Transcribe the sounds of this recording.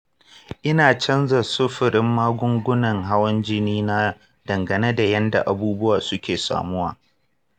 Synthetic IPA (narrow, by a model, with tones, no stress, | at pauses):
ʔɪ˦naː˨t͡ʃɐ˦nzɐ˨sʊ˦ɸɪ˨ɾɪ˦mːaː˦ɡʷʊ˦ŋɡʷʊ˦nɐ˨ŋɦa˦wɐ˦nd͡ʒɪ˦niː˦na˦ | dɐ˨ŋɡɐ˨ne˦da˨jɐ˦nda̰˨ʔa˨buː˦bʊ˦waː˨sʊ˦kʲeː˨sa̰ː˨mʊ˦wa̰ː˨